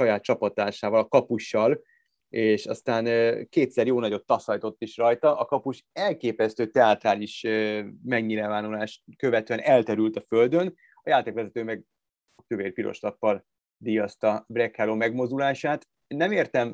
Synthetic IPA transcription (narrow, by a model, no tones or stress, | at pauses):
ʃɒjaːt̪̚t͡ʃɒpɒt̪aːʃaːvɒlɒkɒpuʃːɒl | eːʃɒ̰st̪aːnkeːt̪sɛrjoːnɒɟo̞t̪ːɒsɒjt̪o̞t̪ːiʃrɒjt̪ɒʔɒkɒpuʃ | ɛlkeːpɛst̪øːt̪ɛat̪raːliʃøːmɛɲːiɾɛvaːnulaːʃkø̞vɛt̪øɛnɛlt̪ɛɾylt̪ɒfø̞ld̪ø̞n | ɒjaːt̪eːkʋɛzɛt̪øːmɛɡ̚ | ʃok̚t̪øveːrpiɾo̰ʃlɒpːɒl | d̪ijɒst̪ɒbrɛkhaloːmɛɡmo̞zd̪ulaːʃaːt̪ | nɛmeːrt̪ɛm